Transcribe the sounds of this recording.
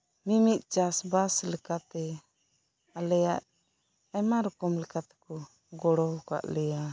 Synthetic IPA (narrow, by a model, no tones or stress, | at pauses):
mimit̪̚ˀt͡ʃasbaslɛkat̪ɛ | alɛjaʔ | ajmaɾɔkɔmlɛkat̪ɛ̥kɔ | ɡɔɽɔbɔka̰ʔlɛja